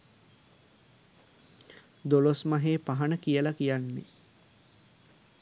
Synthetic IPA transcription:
d̪olosmaɦeːpaɦanəkijəlakijanːe

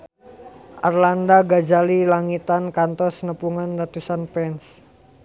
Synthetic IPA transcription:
ʔarlandaɡad͡ʒalilaŋit̪ankant̪ɔsnəpuŋanrat̪usanpɛns

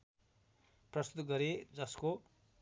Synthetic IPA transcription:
prʌst̪ud̪ɡʌɾed͡zʌsko

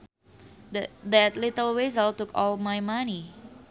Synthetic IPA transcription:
dd̪ɛt̪lit̪əlwezəlt̪ukɔlmajmani

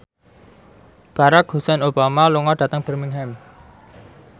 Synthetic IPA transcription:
b̥a̤ɾakhusɛnob̥amaluŋɔɖ̥ä̤t̪əŋb̥ə̤rmiŋɦɛm

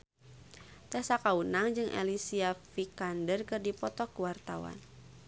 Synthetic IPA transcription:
t̪ɛsakaunaŋd͡ʒɨŋʔḛlisiafikandərkɨrdipɔt̪ɔkuwart̪awa̰n

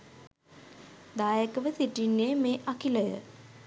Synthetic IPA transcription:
d̪aːjəkəʋəsiʈinːjejmeːʔakiləjə̰

